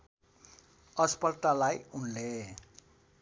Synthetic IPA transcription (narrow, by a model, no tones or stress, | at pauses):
ʌspʌrt̪alajunle